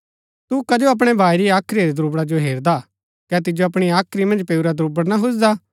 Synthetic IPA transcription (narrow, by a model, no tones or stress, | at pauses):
t̪ukɐd͡ʒoɐp̬ɽ̃ebʱaːiɾiaːkʰɾiɾid̪ɾuːbɽad͡ʒoɦeːɾd̪a | kɛt̪̬ɪd͡ʒoɐpɽ̃iaːkʰɾimɐ̃nd͡ʒpeːuɾad̪ɾuːbəɽnaɦʊsd̪aː